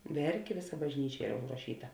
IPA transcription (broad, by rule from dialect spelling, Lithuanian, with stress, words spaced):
ˈʋʲɛrʲkʲeː ˈʋʲeːˌsɐ bɐʒʲˈnʲiːt͡ʃʲɛ ˈiːrɐ ʊʒrɐˈʃʲiːtɐ